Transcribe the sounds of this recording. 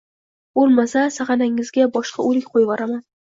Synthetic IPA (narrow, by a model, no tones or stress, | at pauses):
b̥olˠmasasaχɑnaŋɪzɡʲabɒʃqʰɑolɪkʲqʰojvaɾaman